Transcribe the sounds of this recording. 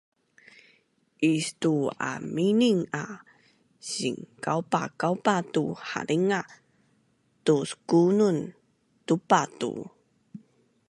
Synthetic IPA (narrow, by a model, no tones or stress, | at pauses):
ʔistua̰miniŋa | ɕiŋkawpa̰kawpatuha̰ɾiŋa | tuskunun | tupatṵ